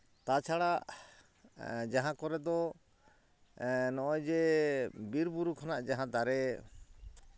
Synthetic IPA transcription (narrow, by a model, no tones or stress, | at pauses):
t̪at͡ʃʰaɽaʔ | d͡ʒaɦãkɔɾɛd̪ɔ | nɔʔɔjd͡ʒɛbiɾbuɾukʰanaʔd͡ʒaɦãd̪aɾɛ